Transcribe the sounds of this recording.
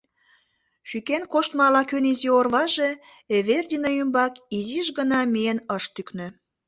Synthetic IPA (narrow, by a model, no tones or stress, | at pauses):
ʃykenkoʃt̪mɑlɑkøniziorβɑʒe | eβerdʲinɑymbɑkiziʒɣənɑmienəʃt̪yknø̆